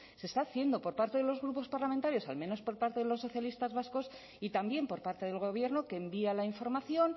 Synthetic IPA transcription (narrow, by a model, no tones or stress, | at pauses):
se̞st̪aːθje̞nd̪o̞po̞ɾpaɾt̪e̞ðelo̞zɣɾupo̞spaɾlamẽnt̪aɾjo̞sa̰lmẽ̞no̞spo̞ɾpaɾt̪e̞ðelo̞sːo̞θjalist̪azβasko̞s | it̪ambje̞mpo̞ɾpaɾt̪e̞ðe̞lɣ̞o̞β̞je̞ɾno̞ke̞ːmbialaiɱfo̞ɾmaθjo̞n